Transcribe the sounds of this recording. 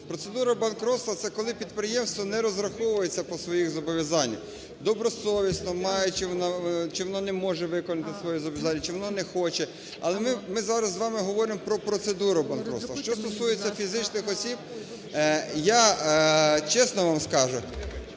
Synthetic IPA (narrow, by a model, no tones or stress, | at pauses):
pɾɔt̪sed̪uɾɐbɐnkɾɔt̪st̪ʋɐt̪ɛkɔlˠɪpʲid̪pɾɪjɛmst̪ʋɔnɛɾɔzɾɐxɔʋʊjet͡sʲːɐpɔsʋɔjixzɔbɔʋʲjɐzɑnʲːɐ | d̪ɔbɾɔsɔʋʲisnɔmɑjɛt͡ʃɪʋɔnat͡ʃɪʋɔnɔnɛmɔʒɛʋɪkɔnɐt̪ɪsʋɔjɛzɔbɔʋjɐzɑnʲːɐt͡ʃɪʋɔnɔnɛxɔt͡ʃɛ | ɐ̰lˠɛmɪmɪzɑɾɐzːʋɑmɪɦɔʋɔɾɪmpɾɔpɾɔt̪sed̪uɾʊbɐnkɾɔ̰t̪ʋɐʃt͡ʃɔst̪ɔsujet͡sʲːɐfʲizɪt͡ʃnɪxɔsʲib | ja | t͡ʃɛsnɔʋɑmskɑʒʊ